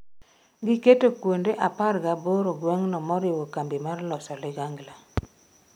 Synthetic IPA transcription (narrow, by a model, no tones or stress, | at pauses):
ɡɪketokwondeʔaparɡaboɾoɡwɛŋnɔmɔɾɪwokambimarlɔsɔlɪɡaŋɡla